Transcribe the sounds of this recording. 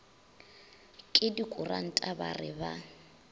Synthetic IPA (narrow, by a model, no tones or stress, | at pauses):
kʼɪdikʼʊra̰n̩tʼaba̰rɪba